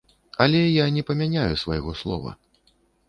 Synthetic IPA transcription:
ɐlʲɛjanʲɛpɐmʲanʲajusva̰jɣɔslˠɔ̰vɐ̰

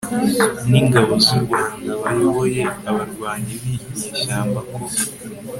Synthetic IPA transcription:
niŋɡaβoziɾɡaːŋɡaβajoβo̞je̞aβaɾɡwaːɲiβiɲeʃaːmbako

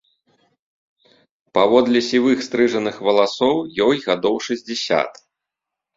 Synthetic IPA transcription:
pavɔd̪lʲɛsʲivɨxst̪ɾɨʐɐnɨxvɐlˠasɔwjɔjɣad̪ɔwʂɐzʲd͡zʲɛsʲa̰t̪

